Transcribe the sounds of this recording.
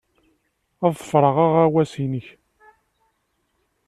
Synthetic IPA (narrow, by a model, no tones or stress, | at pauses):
æðˤfɾˤəʁaʁæwæsinəç